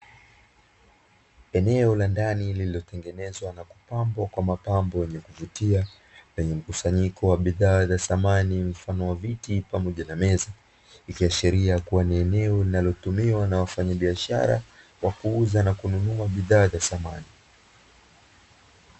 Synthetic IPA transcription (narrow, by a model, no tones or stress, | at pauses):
ɛnɛɔlandanilililɔtɛŋɡɛnɛzwanaku̥pambɔkwamapambɔjɛɲɛkuvutia | lɛɲɛm̩kusaɲikɔwaɓiðaːzaθamanim̩fanɔwavitipamɔʄanamɛza | ikiaʃiɾiakuwaniɛnɛɔlinalɔtumiwanawafaɲaɓiaʃa̰ɾa̰ | wakuuzanakununuaɓiðaːzasamani